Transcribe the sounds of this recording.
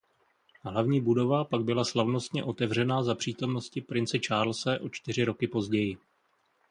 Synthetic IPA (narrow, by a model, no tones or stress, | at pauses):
ɦlavɲiːbudo̞vapaɡ̚bɪlaslavno̞st̪ɲɛʔo̞t̪ɛvr̝ɛnaːzapr̝̥iːt̪o̞mno̞scɪpɾɪnt͡sɛt͡ʃaːɾlsɛʔo̞t͡ʃt̪ɪr̝ɪɾo̞kɪpo̞zɟɛjɪ